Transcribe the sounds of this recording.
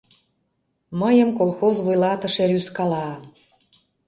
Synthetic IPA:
məjəmkolˠxozβujlɑt̪ə̆ʃeɾyskɑlɑ

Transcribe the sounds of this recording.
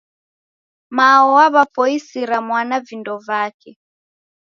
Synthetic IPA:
maɔwaβapɔisiɾamwanavindɔvakɛ

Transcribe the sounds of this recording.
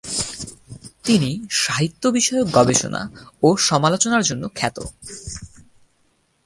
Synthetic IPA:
t̪iniʃaɦit̪ːobiʃɔeok̚ɡɔbeʃo̰na̰oʃɔmalot͡ɕonaɾd͡ʑonːokʰɛt̪o̰

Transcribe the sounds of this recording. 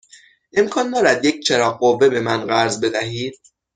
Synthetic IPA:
ʔe̞mkʰɒːnd̪ɒːɾæd̪jec̚ʰt͡ʃʰeɾɒːɢɢovːe̞be̞mænɢæɾzbe̞d̪æɦiːd̪̚

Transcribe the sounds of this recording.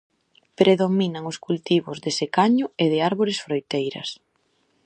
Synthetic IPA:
pɾeðominɐŋʊskult̪iβ̞ʊzðesekaɲʊeðɪaɾβoɾɪsfɾojt̪ejɾɐ̰s

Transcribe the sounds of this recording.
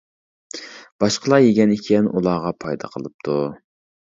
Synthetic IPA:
b̥ɑʃqəlˠɑjeɡʲɛnikʲʰɛnʔulˠɑːʁɑpʰɑjd̪ɑ̰qʰəlˠɨp̚t̪ʰu

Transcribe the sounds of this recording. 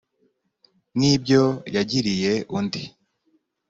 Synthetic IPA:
nibɟo̞jaɟiɾije̞ʔundi

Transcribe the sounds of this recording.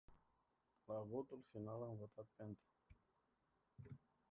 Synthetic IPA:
laɣot̪ulfinalanvot̪at̪̚pent̪

